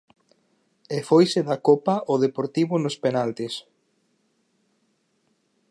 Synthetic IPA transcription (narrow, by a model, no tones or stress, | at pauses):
efojseðakopaʔoðepoɾt̪iβʊnospenalt̪es